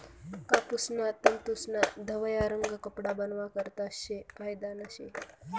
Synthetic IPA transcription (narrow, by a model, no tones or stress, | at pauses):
kapusnat̪əmt̪usnad̪ʱəʋəjaɾəŋɡəkəpɽabənʋakəɾt̪aɕekajd̪anəɕe